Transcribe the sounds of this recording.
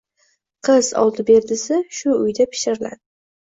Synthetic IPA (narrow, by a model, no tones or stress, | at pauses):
qʰɨzɒ̰lˠt̪ʰɪbe̞ɾd̪ɪsɪʃʊʊjd̪apʰɪ̥ʃɪɾɪla̰d̪ɪ